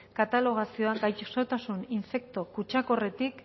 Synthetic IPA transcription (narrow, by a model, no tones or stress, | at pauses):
kat̪alo̞ɣ̞asio̞aɡajt͡ʃso̞t̪asuniɱfe̞k̚t̪o̞kut͡ʃako̞re̞t̪ik